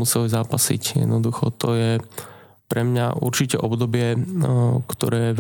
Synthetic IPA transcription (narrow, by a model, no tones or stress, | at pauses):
usɛlizaːpasḭcjɛ̰d̪nɔd̪uxɔt̪ɔjɛ | pɾɛmɲa̰ʔuɾt͡ʃicɛʔɔbd̪ɔbɪɛ | kt̪ɔɾɛːɛ